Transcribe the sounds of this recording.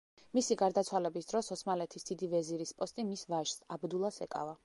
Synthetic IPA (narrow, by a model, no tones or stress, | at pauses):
misiɡaɾd̪at̪sʰwalɛbisd̪ɾɔsɔsmalɛt̪ʰisd̪̥id̪ivɛziɾispʼɔst̪ʼimisvaʒsabd̪ulˠasɛ̰kʼa̰va